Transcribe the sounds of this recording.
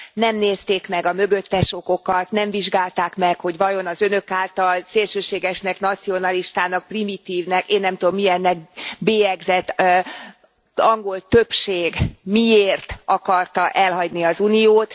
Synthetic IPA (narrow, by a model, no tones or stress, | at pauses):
nɛmneːst̪eːkmɛɡɒmø̞ɡø̞t̪ːɛʃo̞ko̞kɒt̪nɛɱviʒɡaːlt̪aːkmɛkho̞ɟʋɒjo̞nɒzø̞nø̞kaːlt̪ɒlseːlʃøːʃeːɡɛʃnɛkn̪ɒt̪sio̞nɒliʃt̪aːnɒk̚primit̪iːvnɛkeːnːɛmt̪ud̪omːiɛnːɛɡbeːjɛɡzɛt̪ː | ɒŋɡo̞lt̪ø̞pʃeːɡmieːrt̪ɒkɒrt̪ɒʔɛlɦɒɟniɒzunijoːt̪